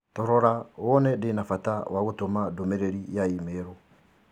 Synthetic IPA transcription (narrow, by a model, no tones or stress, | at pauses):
tɔɾɔɾaɔnɛdenafatawaɣotomadomeɾeɾijaimeɾo